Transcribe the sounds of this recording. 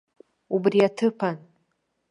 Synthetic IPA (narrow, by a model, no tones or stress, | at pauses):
ubriatʰɨpʰan